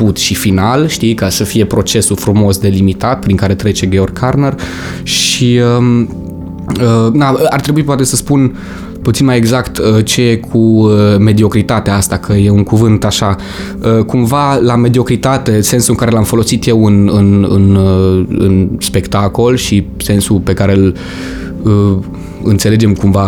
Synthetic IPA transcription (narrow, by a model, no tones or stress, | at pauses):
put̪ʃifinalʃt̪ikasəfije̞pɾo̞t͡ʃe̞sufɾumo̞sd̪e̞limit̪at̪̚pɾiŋkaɾe̞t̪ɾe̞t͡ʃe̞ɡʲe̞o̞rkʰarner | ʃiə | ənaəa̰rt̪ɾe̞buipoat̪e̞səspun | put̪sinmaje̞ɡzakt̪ət͡ʃe̞jekʰuəme̞d̪io̞kɾit̪at̪eaast̪akʰəje̞uŋkuvɨnt̪aʃa | əkumvalame̞d̪io̞kɾit̪at̪e̞se̞nsuɨŋkaɾe̞lamfo̞lo̞sit̪je̞wɨnɨnɨn | ɨ̰nspe̞kt̪ako̞lʃi | se̞nsupe̞kaɾe̞l | ə | ɨ̰nt̪se̞le̞d͡ʒe̞mkumva